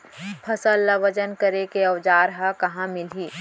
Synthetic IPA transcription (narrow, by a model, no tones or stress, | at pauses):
pʰɐsəlːɐʋəd͡ʒənkəɾekeɐwd͡ʒaːɾɦakɐɦãmɪlɦiː